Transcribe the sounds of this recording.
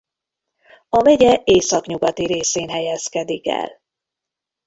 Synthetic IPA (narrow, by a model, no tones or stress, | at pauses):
ɒvɛɟɛeːsɒkɲuɡɒt̪iɾeːseːnɦɛjɛskɛd̪ikɛ̰l